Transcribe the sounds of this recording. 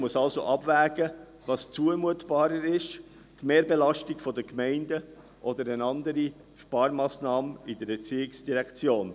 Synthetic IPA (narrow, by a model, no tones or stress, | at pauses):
muəsɑlsoʔɑb̥væːɡ̥ə | vɑːst͡suəmuətb̥ɑːɾəɾɪʃ | tmeːɾbelɑʃtikfɔdəkmɛɪndə | ʔɔd̪əɾənɑnd̪əɾi | ʃpɑːɾmɑːsnɑːmɪdəɾet͡siɪksd̥iɾɛkt͡sjoːn